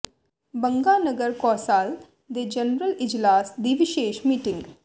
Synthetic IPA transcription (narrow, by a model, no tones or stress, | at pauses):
bə̃ŋɡaːnəɡəɾkɔːsaːl | d̪ed͡ʒɐnɾəlɪd͡ʒlaːsd̪iʋɪʃeːʃmiːʈɪ̃ŋɡ